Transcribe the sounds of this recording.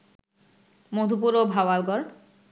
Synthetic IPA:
mod̪ʱup̬uɾobʱawalɡɔɾ

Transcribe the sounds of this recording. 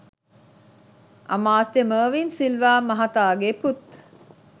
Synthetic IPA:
ʔɐ̰maːt̪eməːʋinsilʋaːmɐɦɐt̪aːɡeput̪

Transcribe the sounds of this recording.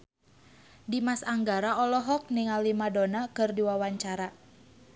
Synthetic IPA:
dimasaŋɡaɾaɔlɔɦɔk̚niŋalːimadɔnakɨrdiwawaɲt͡ʃaɾa

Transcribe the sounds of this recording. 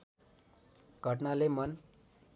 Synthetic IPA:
ɡ̥ʱəʈ̬nalemʌn

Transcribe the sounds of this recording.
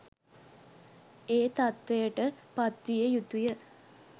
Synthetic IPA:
eːt̪at̪ʋejəʈəpat̪ʋijəjut̪ujə

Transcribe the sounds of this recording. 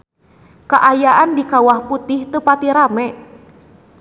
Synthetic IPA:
kaʔajaʔandikawahput̪ɪht̪əpat̪iɾamɛ

